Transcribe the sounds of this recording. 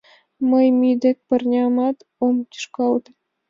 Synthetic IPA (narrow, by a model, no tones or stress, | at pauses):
mɤjmʲid̪ʲĕk̚ʲpʲɘ̆rnʲɑmɑt̪ | omt̪ʲy̥ʃkɑlˠd̪